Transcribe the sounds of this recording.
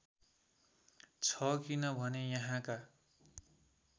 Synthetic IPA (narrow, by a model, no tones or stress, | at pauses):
t͡sʰʌkinʌbʱʌnejʌɦãka